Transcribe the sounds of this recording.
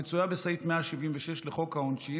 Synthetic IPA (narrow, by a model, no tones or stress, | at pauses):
et͡sujabesejfmeaʃivimveʃeʃleχo̞khaonʃi